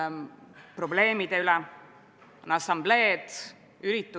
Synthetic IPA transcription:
pro̞ble̞ːmid̪̥e̞ylɛ | nɑsɑmble̞ːd̪̥ | yɾit̪ːˑu

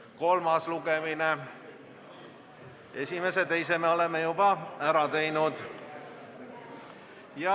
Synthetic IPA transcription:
ko̞lmɑslukemine | e̞sʲimeset̪e̞jsemeo̞lemːejubɑæɾɑt̪e̞jnud̪̥ | jɑ

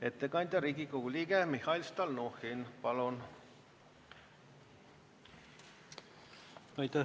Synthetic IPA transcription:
et̪ːekɑnʲd̪̥ʲɑɾiːɡikouliɡemihɑilst̪ɑlnoxinpɑlun | ɑjt̪æ

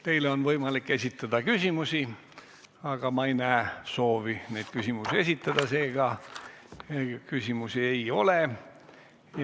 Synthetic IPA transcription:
t̪e̞jleo̞nvɤjmɑlikːe̞sʲit̪ːˑɑd̪̥ɑkysʲimusʲi | ɑɡ̥ɑmɑejnæːso̞ːvined̪̥kysʲimusie̞s̬ʲit̪ːˑɑd̪̥ɑse̞ːɡ̥ɑ | kysʲimusie̞jo̞le

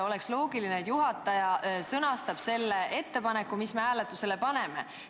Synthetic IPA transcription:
o̞le̞kslo̞ːɡilineːt̪juɦɑt̪ːˑɑjɑsɤnɑst̪ɑb̥se̞lːe̞ʔe̞t̪ːe̞pɑne̞kːumismehæːle̞t̪ːˑuse̞le̞pɑne̞me̞̰

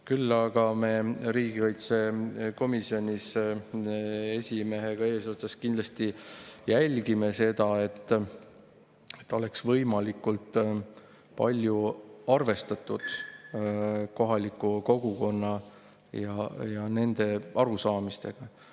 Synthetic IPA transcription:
kylːɑɡ̥ɑme̞ɾiːɡ̥ikɑjt̪se̞ko̞misio̞nʲis | e̞sʲime̞ɦeɡ̥ɑe̞ːsoːt̪sɑskind̪̥lɑst̪ijælʲɡ̥ime̞se̞d̪̥ɑe̞t̪ː | et̪ːo̞le̞ksvɤjmɑlikːult̪ | pɑ̰lʲjuɑrve̞st̪ɑt̪ːud̪̥ | ko̞ɦɑlikːˑuko̞ɡ̥uko̞nːɑ | jɑjɑne̞nd̪̥e̞ɑɾusɑːmist̪e̞ɡ̥ɑ

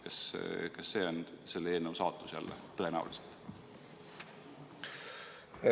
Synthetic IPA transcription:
kɑskɑsːe̞ːo̞nse̞lːeeːlnewsɑːt̪ˑːu̥sjæ̰lːḛt̪ːɤe̞næ̰ṵliset̪ˑ

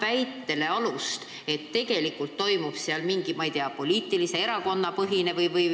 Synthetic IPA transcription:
væjt̪ːe̞le̞ɑlust̪ | e̞t̪ːe̞ɡ̥e̞likːult̪ːo̞jmupseɑlmiŋɡ̥imɑejt̪eɑpo̞lʲiːt̪ːˑilise̞e̞ɾɑko̞nːɑpɤɦine̞vɯjvɯj

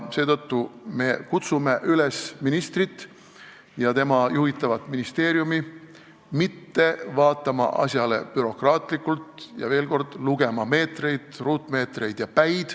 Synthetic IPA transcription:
se̞ːt̪ɤ̞t̪ːume̞kut̪sume̞ʔylesminist̪rit̪ːˑ | jɑt̪e̞mɑjuɦit̪ːˑɑvɑt̪ːˑminist̪e̞ːɾijumi | mit̪ːe̞vɑːt̪ːˑɑmɑ̰ʔɑ̰sjɑle̞̰pyɾo̞krɑːt̪ˑlikːˑult̪jɑ̰ve̞ːlko̞rd̪̥luɡ̥e̞mɑme̞ːt̪re̞jd̪̥ruːt̪ːˑme̞ːt̪re̞jd̪̥jɑpæjd̪̥

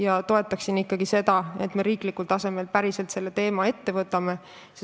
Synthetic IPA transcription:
jɑt̪o̞e̞t̪ːˑɑksinikːɑɡ̥ise̞d̪ɑe̞t̪me̞ɾiːklikːult̪ɑse̞me̞lpæɾise̞lt̪se̞lːe̞t̪e̞ːmɑe̞t̪ːe̞vɤt̪ːˑɑme̞ | se

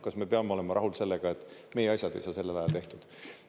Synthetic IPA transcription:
kɑsme̞peɑme̞o̞le̞mɑɾʔɑɦulse̞lːeɡ̥ɑe̞t̪ːˑme̞jeɑɕsʲjɑd̪̥e̞̰jsɑːse̞lːelɑjɑ̰lt̪e̞ht̪ud̪̥

